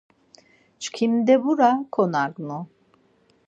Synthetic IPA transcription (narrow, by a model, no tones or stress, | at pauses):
t͡ʃkʰimd̪ɛbuɾakʰonaɡnu